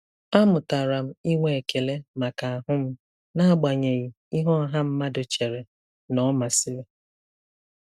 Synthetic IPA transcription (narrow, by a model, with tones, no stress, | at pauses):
a˦mʊ˨ta˨ɾa˨m̩˦i˦ŋʷe˨e˨kʰe˨le˦ma˨ka˨a˨ɦʊ˦m̩˦ | na˦a˦ɡ͡ba˨ɲe˨ɣi˨ | i˦ɦɔ˦ɦa˦m̩˦ma˦dʊ˨t͡ʃe˨ɾe˨ | nɔ˦ma˨sɪ˦ɾe˨